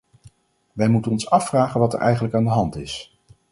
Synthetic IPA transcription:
ʋɛjmutənɔnsɑfraːχənʋɑtə̰ɹʔɛjχənləkaːndəɦɑntɪs

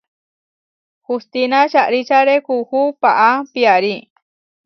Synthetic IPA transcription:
hust̪inat͡ʃaʔɾit͡ʃaɾekuhupaʔapiaɾi

